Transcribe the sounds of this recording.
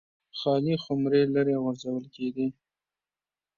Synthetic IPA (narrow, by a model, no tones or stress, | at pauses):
xɑlixʊmɾelaɾeɣaɾzawəlkeɡi